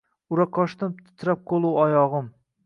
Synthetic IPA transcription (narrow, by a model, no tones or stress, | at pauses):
ʊɾaqʰɒʃt̪amt̪ʰɪ̥t̪ʰɾap̚qʰolˠuwɒjɒʁɨm